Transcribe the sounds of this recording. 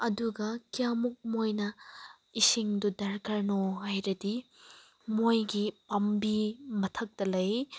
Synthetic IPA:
ɐduɡɐkijamuk̚mojnɐ | isiŋdudɐɾkʰɐɾnoɦajɾɐdi | mojɡipɐmbimɐtʰɐk̚tɐlɐj

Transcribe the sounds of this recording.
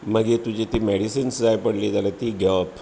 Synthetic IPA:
məɡet̪ud͡ʑit̪iːmɛɽisinsd͡zajpəɽliːd͡zalat̪iːɡɛʋap

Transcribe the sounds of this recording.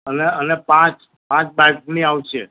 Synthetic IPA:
əneənepãt͡ʃ | pãt͡ʃbajk̚niawt͡ʃʰe

